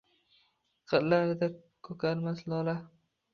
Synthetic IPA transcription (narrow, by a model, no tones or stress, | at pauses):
qʰɨɾlaɾɪd̪a | kʰɵkʰalmaslɒla